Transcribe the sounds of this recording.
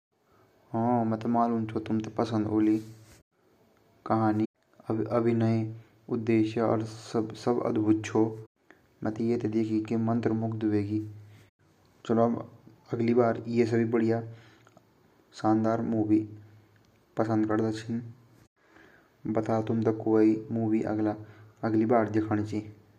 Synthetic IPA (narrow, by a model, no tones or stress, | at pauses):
ɦõːmɛt̪emaːlunt͡ʃʰot̪ʊmt̪epɐsə̃nd̪oːli | kɐɦaːni | ʔɐbʱinəe | ʊd̪ːeːʃeɔ̰ːɾsəbsɐbɐ̰d̪bʱʊt̪̚t͡ʃʰo | mɛt̪ejet̪ed̪eːkʰikemə̃nt̪ɾəmʊkt̪ʊʋeːɡiː | t͡ʃəlob | ɐɡlibaːɾjes̬ɐbʱibəɽija | sãːnd̪aːɾmuːʋi | pəsə̃nd̪̚kɐɾd̪at͡ʃʰɪn | bɐt̪at̪ʊmt̪ɐkːoːimuːʋiʔə̰ɡlaəɡlibaːɾd̪ɪkʰəɽ̃t͡ʃi